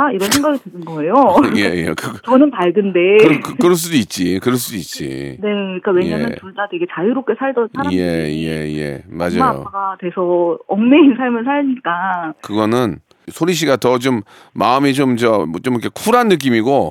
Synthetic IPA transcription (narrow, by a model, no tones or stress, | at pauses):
aiɾʌnsʰeŋɡaɡitɯnɯnɡʌejojejḛkɯt͡ɕʌnɯnpaɭɡɯnde̞ɯkkɯɾʌɭs̬͈udoit̚t͡ɕ͈ikɯɾʌɭs͈udoit̚t͡ɕ͈ḭne̞kɯik͈awe̞jɲanɯuɭtatwe̞ɡe̞t͡ɕajuɾop̚k͈e̞sʰaɭdʌnsʰaaje̞̰jḛje̞̰mad͡ʑa̰ajo̰aɡatwe̞sʰʌʌŋneinsʰaɭmɯɭsʰaɭɲik͈akɯɡʌnɯn | sʰoɾiɕ̬ʰiɡatʌt͡ɕomː | aɯmit͡ɕomt͡ɕʌt͡ɕomkʰekʰuɾanːɯk̬͈imiɡo